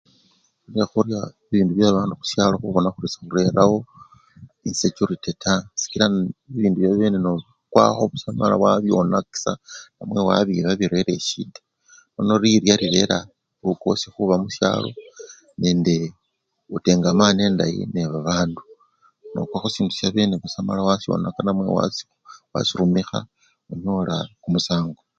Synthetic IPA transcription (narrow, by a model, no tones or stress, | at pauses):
xuɾjaxuɾja | iβiːnduβjaβaːnduxu̥sjaːlo̞xuβo̞naxuɾisḁxuɾe̞ɾawo̞ | insecuɾitetʰasi̥kiɾaiβiːnduβjaβeːnenoβ | kwa̰xo̞βusamala̰waβjo̞̰naki̥sa̰namwe̞wa̰βiβaβiɾe̞ɾe̞ʃḭdḁ | no̞no̞ɾiɾjaɾiɾe̞ɾa | uko̞sixuβamusja̰ːlo̞̰ | ne̞ːnde | ute̞ːŋɡamane̞ːndajḭneβaβaːndu | no̞̰kwaːxosiːndusjaβe̞ːneβusamalawasjo̞̰nakanamwe̞̰wa̰si̥ | wa̰siɾumixa̰ | uɲo̞laxumusaːŋɡo